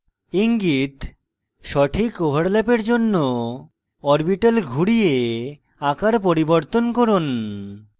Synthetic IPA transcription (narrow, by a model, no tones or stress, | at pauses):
iŋɡit̪ | ʃɔʈʰikobʱaɾlɛpeɾd͡ʑonːo | ɔɾbiʈalɡʱuɽije | akaɾpoɾiboɾt̪onkɔɾun